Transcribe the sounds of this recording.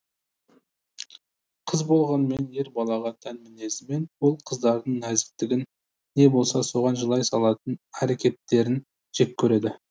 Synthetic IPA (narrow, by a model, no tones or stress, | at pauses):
qʰəzbo̞lˠʁɑnme̞nje̞ɾbɑlˠɑʁɑt̪ʰænmɪne̞zɪme̞nwo̞lˠqʰəzd̪ɑɾd̪əɴnæzɪt̪ːɪɡʲɪnː | e̞bo̞lˠsɑso̞ʁɑnʒəlˠɑjsɑlˠɑt̪ənæɾekʲe̞t̪ːe̞ɾɪn | ʒ̥e̞k̚ʲʰɵɾe̞d̪ɪ